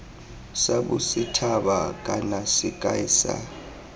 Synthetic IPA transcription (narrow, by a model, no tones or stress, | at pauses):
saɓusitʰaɓakʼanasikʼaiːsa̰